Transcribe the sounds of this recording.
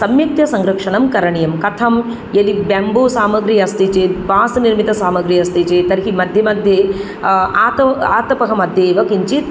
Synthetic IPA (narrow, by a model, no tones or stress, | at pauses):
sɐmjɐk̚t̪jɐsɐŋɡɾɐkʂɐɳɐmkɐɾɐɳijɐmkɐt̪ʰɐm | jɐlibamboːsaːmɐɡɾijɐst̪it͡ʃeːʋaːsɐniɾmit̪ɐsaːmɐɡɾiːjɐst̪it͡ʃeːt̪ɐɾɦimɐd̪ʱjɐmɐd̪ʱje | aːt̪ɐaːt̪ɐpɐɦɐmɐd̪ʱjeːʋɐkiɲt͡ʃit̪̚